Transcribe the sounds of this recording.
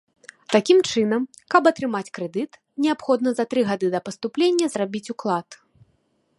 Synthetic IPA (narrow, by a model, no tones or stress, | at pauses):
t̪akʲimt͡ʂɨnɐmkɐbɐt̪ɾɨmat͡sʲkɾɛd̪ɨt̪ | nʲɛapxɔd̪̚nɐzɐt̪ɾɨɣad̪ɨd̪ɐpɐst̪uplʲenʲːɐzrabʲit͡sʲuklˠat̪